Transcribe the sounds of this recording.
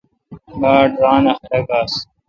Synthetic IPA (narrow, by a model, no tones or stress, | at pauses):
ɡaːɖɾaːnɐxɾɐɡaːs